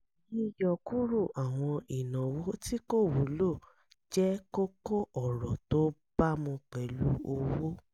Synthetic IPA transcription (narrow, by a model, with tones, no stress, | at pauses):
ji˦jɔ˨ku˦ɾu˦˨ʔa˨w̃ɔ̃˧i˨nã˨wo˦ti˦ko˦˨wu˨˦lo˦˨ | d͡ʒɛ˦ko˦ko˦ʔɔ˨ɾɔ˨to˨˦b̥a˦mũ˧k͡pɛ˨˦lu˦o˧wo˦